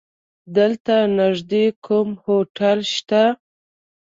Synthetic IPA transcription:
d̪əlt̪anaʐd̪ekʰʊmhoʈalʃt̪a

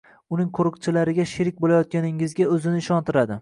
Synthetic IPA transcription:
ʊnɪŋqʰoɾɨqt͡ʃʰɪlaɾɪɡʲaʃɪɾɪk̚ʲbolajɒt̪̚kʲanɪŋɪzɡʲaɵzɪnɪːʃɒnt̪ʰɪɾad̪ɪ

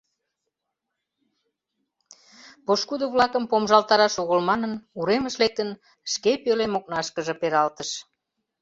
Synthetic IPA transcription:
poʃkud̪əβlɑkəmpomʒɑlt̪ɑɾɑʃoɣəlmɑnənuɾeməʃlek̚t̪ən | ʃkepølemok̚nɑʃkəʒə̆peɾɑlt̪əʃ

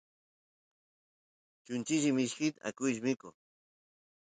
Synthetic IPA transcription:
t͡ʃʊnt͡ʃɪʒimɪʃkɪt̪a̰kʊjʒmɪko

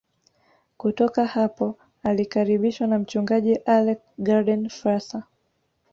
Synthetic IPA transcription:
kutɔkahapɔ | alikaɾiɓiʃwanam̩t͡ʃuŋɡaʄiʔalɛkɡadɛnfɾasa

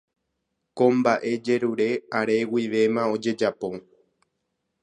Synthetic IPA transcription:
kõmbaʔe̞d͡ʒe̞ɾuɾe̞aɾe̞wiʋe̞mão̞d͡ʒe̞d͡ʒapo̞

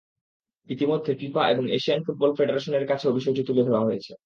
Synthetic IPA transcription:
it̪imod̪ʱːepipaʔeboŋeʃianfuʈ̚bɔlfeɖeɾaʃoneɾkat͡ɕʰeobʱiʃod͡ʑot̪uled̪ʱeoaɦojet͡ɕʰe

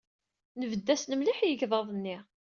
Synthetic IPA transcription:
nəvəd̪ːæsnəmliħjəʝðˤɑðˤənːiʁ

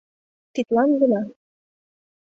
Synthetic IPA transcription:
t̪it̪lɑnɡɤlɑ

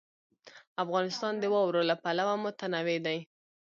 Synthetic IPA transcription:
afɣɑnɪst̪ɑnd̪əwɑwɾolapalawamʊt̪anawed̪aj

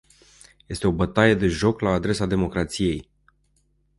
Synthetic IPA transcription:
je̞st̪e̞o̞bət̪aje̞d̪e̞ʒo̞klaːd̪ɾe̞sad̪e̞mo̞kɾat̪sije̞j

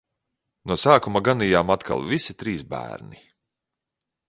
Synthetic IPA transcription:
nusaːkumaɡanijaːmat̪kʰa̰lˠvisit̪ɾiːsbæ̰ːɾni

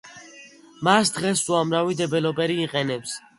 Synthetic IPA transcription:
masd̪ʁɛsuamɾavid̪ɛbɛlɔpʼɛɾiːqʼɛnɛps

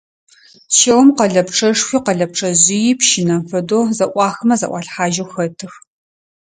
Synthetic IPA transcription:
ʃɐwmqɐɮɐpʈ͡ʂʰɐʂxʷiqɐɮɐp̚ʈ͡ʂʰʼɐʑɪjɪpʃɪnɐfɐdoːzɐʔʷɑːxɐmɐzɐ̰ʔʷɑːɬħaːʒɐwxɐtʰɨx

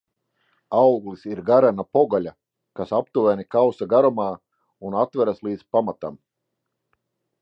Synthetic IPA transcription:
awɡlisiɾɡaɾanapɔɡalʲa | kasap̚t̪uvænikawsaɡaɾɔmaː | unat̪væɾaslˠiːd̪zpamat̪am

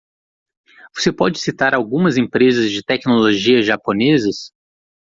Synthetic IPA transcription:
vosepɔd͡ʒɪsit̪aɾawɡũmɐzẽpɾezɐzd͡ʒɪt̪ɛknoloʒiɐʒaponezɐs

